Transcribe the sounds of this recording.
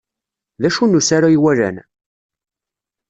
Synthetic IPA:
ðæʃunːusaɾajwælæ̰n

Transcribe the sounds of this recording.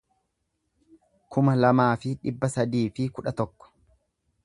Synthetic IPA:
kʰʊmɐlɐmaːfɪᶑɪbːɐsɐd̪iːfɪkʊᶑɐt̪ɔkːɔ̥

